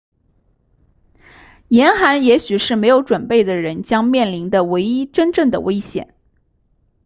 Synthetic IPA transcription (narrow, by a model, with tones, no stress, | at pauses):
jɛ˧˥nxa˧˥njɛ˧˥ɕy˨˩ʂɻ̩˥˩me˧˥ɪjo˧˥ʊʈ͡ʂwə˨˩npe˥˩ɪd̪ə˩ɻə˧˥nt͡ɕjɑ˥ŋmjɛ˥˩nli˧˥nd̪ə˧we˧˥ɪi˥ʈ͡ʂə˥nʈ͡ʂɤ˥˩ŋd̪ə̰˩we˥ɪɕjɛ̰˨˩˦n